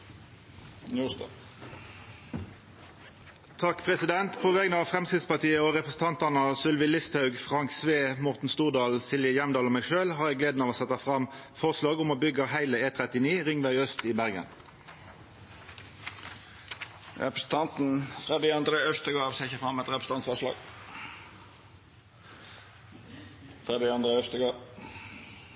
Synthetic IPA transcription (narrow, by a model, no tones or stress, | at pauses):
nuːsd̪ɑ | t̪ʰɑkpʰʁɛsɪd̪ɛnt̪pʰɔʋɛːɡnəɑʋfʁɛmskɪt̪spɑt̪iːəoːʁɛpʁəsn̩t̪ɑnt̪ɑnəsʏlʋɪlɪst̪hɑʉɡfʁɑŋksʋeːmʊʁt̪n̩st̪uːʁd̪ɑːlsɪljəjɛmd̪ɑːloːmæɪɡʃøːlɦɑʁjæɡleːd̪nɑːʋoːsɛt̪ːɑfʁɑmfɔʁslɑːɡʊmoːbʏɡɑhæɪləeːt̪ʰʁɛt̪ɪniːʁɪŋʋæɪœst̪ibæʁɡə̰n | ʁɛ̰pɾəsn̩t̪ʰɑnt̪n̩fʁɛd̪ɪɑnd̪ɾeœst̪əɡɑːseːɪçəfʁɑmːɛt̪ʁɛpɾəs̩t̪ɑnsfɔʁlɑ̰ːɡ̥ | fʁɛd̪ɪɑnd̪ʁeœst̪əɡɑː